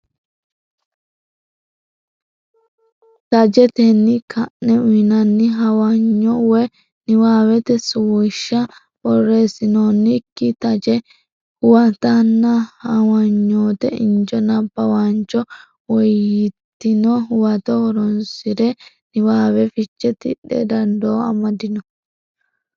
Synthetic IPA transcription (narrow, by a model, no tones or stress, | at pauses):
t̪ɐd͡ʒɛt̪ɛnːɪkʰɐʔnɛʊnɐnːɪɦɐwɐɲːɔwɔ | nɪwaːwɛt̪ɛsʊwʊʃːɐ | bɔrːe̞ːsɪnoːnːɪkːɪt̪ɐd͡ʒɛ | ʊwɐt̪ɐnːɐhɐwɐɲːoːt̪ɛɪnd͡ʒɔnɐbːɐwant͡ʃɔ | wɔjɪt̪ːɪnɔwɐt̪ɔɔɾɔnsɪɾɛ | nɪwaːwɛfɪt͡ʃːɛt̪ɪ̰ᶑːɛ̰d̪ɐnd̪oːɐ̰mɐd̪ɪnɔ